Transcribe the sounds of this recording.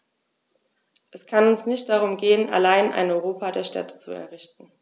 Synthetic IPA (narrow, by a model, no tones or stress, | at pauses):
ʔɛskʰanʊnsnɪçt̚d̥aʁ̞ʊmɡeːəna̰laɪnʔa̰ɪnɔʏʁoːpadeːɐʃtʰɛ̰tə̥t͡sṵɛ̰ɐʁɪçtn̩